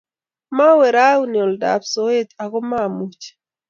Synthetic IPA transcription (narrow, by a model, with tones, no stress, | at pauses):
ma˦wɛ˨ɾa˦wu˦ni˨ɔ˨lda̰˨pso˨e˦t̪a˨ɡɔ˦ma˦mu˨t͡ʃ